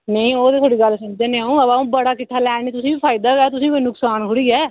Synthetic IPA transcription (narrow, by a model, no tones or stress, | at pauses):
neĩːoːd̪eːt̪ʰoːɽiːɡəlsʊmd͡ʒd̪eːnẽːaũːəbaːũːbəɽaːkɪʈʰːaːlɛːɳiːt̪ʊsĩːbiːpʰaːɪd̪aːɡɛːt̪ʊsĩːkoinʊksaːnɦʊɽiːɛː